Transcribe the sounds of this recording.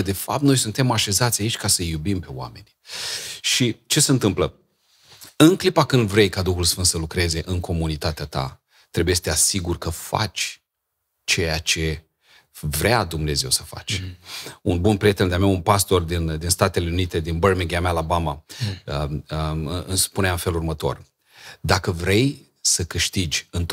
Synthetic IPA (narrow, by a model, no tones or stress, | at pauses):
əd̪e̞fap̚t̪no̞jsunt̪e̞maʃe̞zat̪sʲait͡ʃʲkasəjubimpe̞wa̰me̞nʲ | ʃit͡ʃe̞seɨnt̪ɨmplə | ɨŋklipakɨnd̪vɾe̞jkad̪uxulsfɨnd̪səlukɾe̞ze̞ʔɨŋkʰo̞munit̪at̪eat̪a̰ | t̪ɾe̞bujest̪easiɡurʲkəfa̰t͡ʃʲ | t͡ʃe̞jat͡ʃe̞ | vɾead̪umne̞ze̞wsəfa̰t͡ʃʲ | unbunpɾije̞t̪e̞nd̪eamaunpast̪o̞rd̪ind̪inst̪at̪e̞le̞unit̪e̞d̪inbərmiŋɡeamealabamaə | ɨspuneaɨnfe̞lurmət̪o̞̰r | d̪akəvɾe̞j | səkɨʃt̪id͡ʒʲɨnt̪